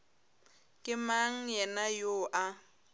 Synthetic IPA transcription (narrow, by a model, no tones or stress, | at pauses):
kʼɪmaŋ̩jɛnajoːʔa